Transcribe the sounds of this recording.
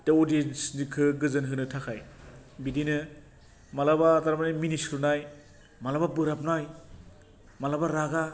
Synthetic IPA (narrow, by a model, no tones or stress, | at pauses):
teɔdiensnikʰɯɡɯzɯnɦɯnɯtʰakʰajbidinɯ | malabaːtaɾmaniminisɾunaj | malababɯɾapnaj | malabaɾaɡa